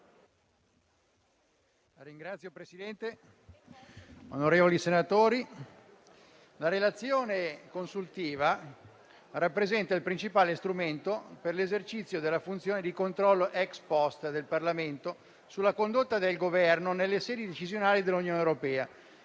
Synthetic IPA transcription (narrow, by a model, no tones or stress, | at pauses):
aɾiŋɡɾat̪sːjopɾesid̪ɛnt̪e | onoɾeːvolisenat̪oːɾi | laɾelat̪sːjoːnekonsult̪iːva | rapːɾezɛnt̪ailpɾint͡ʃipaːlest̪ɾument̪operlezert͡ʃit̪sːjod̪elːafunt̪sjoːned̪ikont̪ɾɔlːoʔɛkspɔst̪d̪elparlament̪o | sulːakond̪ot̪ːad̪elɡovɛrnonelːesɛːd̪id̪et͡ʃizjonaːlid̪elːunjoːnewɾopɛːa